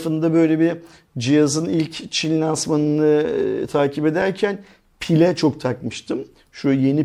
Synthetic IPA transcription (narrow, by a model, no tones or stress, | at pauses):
fɯnd̪abø̞jlʲe̞bi | d͡ʒijazɯnilʲct͡ʃʰinlʲansmanɯnɯt̪ʰaːcʰipe̞d̪æɾcʰæn | pʰilʲɛt͡ʃʰo̞kt̪ʰakmɯʃt̪ʰɯm | ʃuje̞ni